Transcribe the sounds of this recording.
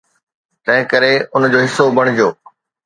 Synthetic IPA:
t̪ɐ̃ɦɪ̃kɐɾeʊnd͡ʑoːɦɪsːobʱɐɽ̃ɪd͡ʑjoː

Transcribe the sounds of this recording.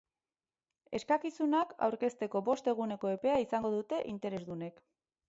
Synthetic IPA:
e̞skakisunaka̰wɾke̞st̪e̞ko̞βo̞st̪e̞ɣ̞une̞ko̞e̞pe̞aisaŋɡo̞ðut̪e̞ʔint̪e̞ɾe̞zðune̞k

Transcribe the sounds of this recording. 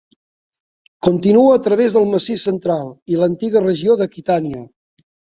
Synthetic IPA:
kont̪inuəːt̪ɾəβ̞ezðəlˠməsisənt̪ɾalˠilənt̪iɣərəʒioðəkit̪aniə

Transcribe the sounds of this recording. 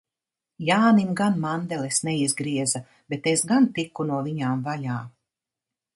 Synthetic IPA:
jaːnimɡanmand̪elesnɛizɡɾiɛza | bet̪esɡant̪ikunuɔviɲaːmvaʎaː

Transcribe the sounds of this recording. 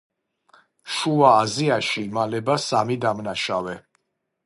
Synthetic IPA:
ʃuaːziaʃimalɛbasamid̪amnaʃavɛ

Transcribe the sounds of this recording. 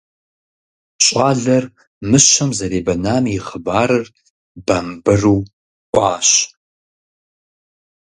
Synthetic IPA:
ɕʼɑːɮɐr | mɨɕɐmzɐɾeːbɐnaːmjɪχəbaːɾɨr | b̥ɐmbɨruː | ʔʷʼɑːɕ

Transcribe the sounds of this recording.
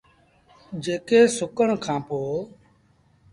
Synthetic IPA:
d͡ʒeːkeːsʊkəɳkʰãːpoː

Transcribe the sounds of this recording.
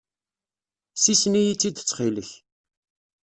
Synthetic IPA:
sisnijit͡sːid̪t͡sːχiləç

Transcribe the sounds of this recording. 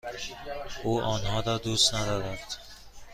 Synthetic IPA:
uːʔɒːnɦɒːdɒːd̪ust̪næd̪ɒːɾæt̪

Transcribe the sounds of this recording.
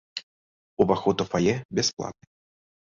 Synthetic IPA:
uvaxɔt̪ufajɛbʲɛsplˠa̰t̪̚nɨ

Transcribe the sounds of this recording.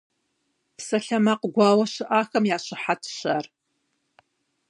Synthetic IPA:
psɐɬɐmaqɡʷɑːwɐɕɪʔaːxɐmjaːɕɪħatʰɕaːr

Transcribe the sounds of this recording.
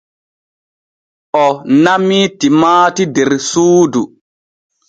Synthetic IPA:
ʔɔnamitimaːtidɛɾsuːdu

